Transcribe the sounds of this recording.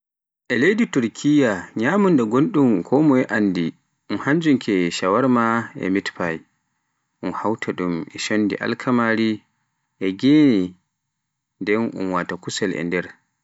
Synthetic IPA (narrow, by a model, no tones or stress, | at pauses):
ʔɛlejdituɾkʰijaɲaːmundaɡonɗumkʰɔmɔjɛʔanːdi | ʔunhaɲd͡ʒuŋkʰɛʃawaɾmaɛ̰mitpaj | ʔunhawtʰaɗumɛ̰ʃonːdḭʔa̰lkʰamaɾi | ʔɛɡeni | ndɛnʔṵnwatakusɛlʔɛ̰ndɛɾ